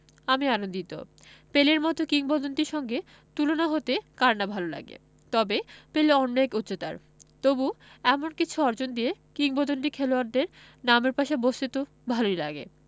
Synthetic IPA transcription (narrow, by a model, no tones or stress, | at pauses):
amianond̪it̪o̰ | peleɾmɔt̪okiŋbɔd̪ont̪iɾʃɔŋɡe | t̪ulonaɦot̪ekaɾnabʱalola̰ɡḛ | t̪ɔbepeleɔnːoekut̪ːɕot̪a̰ɾ | t̪obuɛmonkit͡ɕʰuɔɾd͡ʑond̪ijekiŋbɔd̪ont̪ikʰɛloaɾd̪eɾ | nameɾpaʃebost̪it̪o | bʱalojlaɡḛ